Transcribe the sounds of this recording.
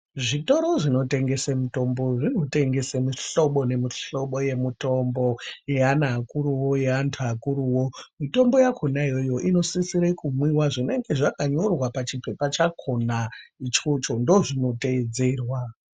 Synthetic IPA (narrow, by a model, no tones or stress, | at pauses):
ʐito̞ɾo̞ʐino̞te̞ŋɡe̞semuto̞mbo̞ʐino̞te̞ŋɡe̞semiɬo̞ɓone̞miɬo̞ɓo̞je̞mito̞mbo̞jeanaːkuɾuwoje̞antʰuakuɾuwo̞mito̞mbo̞jakʰo̞naijo̞jo̞ʔino̞sisiɾekumwiwaʐine̞ŋɡe̞ʐakaɲorwapat͡ʃipe̞pat͡ʃakʰo̞nait͡ʃot͡ʃo̞ndo̞ʐino̞teed͡ze̞ːrwa